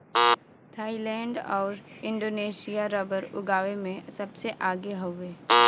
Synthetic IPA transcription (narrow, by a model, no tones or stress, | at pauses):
t̪ʰaːilɛ̃ːɳɖɔːɾɪ̃ɳɖoːneːʃijaɾɐbəɾʊɡaːʋemẽsɐbseʔaːɡeɦoeː